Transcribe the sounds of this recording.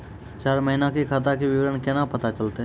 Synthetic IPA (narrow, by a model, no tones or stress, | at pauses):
t͡ʃaːɾməɦɪnakikʰaːt̪̬akeʋɪʋəɾənkɛnapɐt̪at͡ʃɐlt̪eɦ